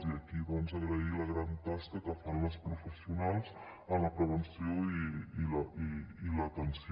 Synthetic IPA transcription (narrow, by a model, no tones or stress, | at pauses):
ziəkiβɔnzəɣɾəiləɣɾant̪askəkəfanləspɾufəsiunalˠz | əmləpɾəβənsioiiləiilət̪əns